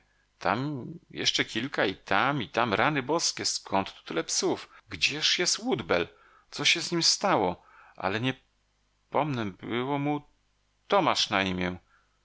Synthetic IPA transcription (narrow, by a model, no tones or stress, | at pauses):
t̪ʰa̰mjɛ̰ʂt͡ʂɛkʲilkait̪ʰamit̪amɾanɘbɔskʲɛskʰɔnt̪ːu̥t̪ulɛpsufɡd͡ʑɛʂjɛst̪wud̪bɛl | t̪sɔɕɛzɲimst̪awɔ | ʔa̰lɛɲɛ | pɔmnɛbɘwɔmu | t̪ɔmaʂnaimʲjɛ